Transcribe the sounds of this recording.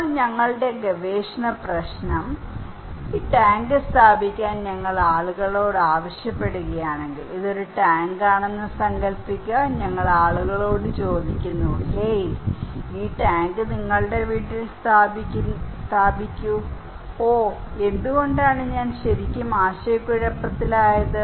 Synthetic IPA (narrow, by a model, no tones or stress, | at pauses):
ɲɐŋːɐɭɽe̞ɡɐʋeːʂnɐprɐɕnɐm | iːʈaːŋɡɨst̪ʰaːbʱikʲːaːnɲɐŋːɐɭaːɭuɣɐɭo̞ːɽɨaːʋɐɕjɐpːe̞ɽuɣɐjaːɳe̞ŋɡiliðo̞ɾuʈaːŋɡaːɳenːɨsɐŋɡɐlpikʲːɐɲɐŋːɐɭaːɭuɣɐɭo̞ːɽɨt͡ɕo̞ːd̪ikʲːunːuhej | iːʈaːŋɡɨniŋːɐɭɽe̞ʋiːʈːilst̪ʰaːbʱikʲːst̪ʰaːbʱikʲːu | oːe̞nd̪uɣo̞ɳɖaːɳɨɲaːnɕɐɾikʲːumaːɕɐjkːuɻɐpːɐt̪ːilaːjɐðɨ